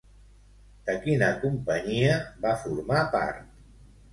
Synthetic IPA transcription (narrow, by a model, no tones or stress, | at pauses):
d̪̥əkinəkumpəɲiəbafuɾmapa̰ɾt̪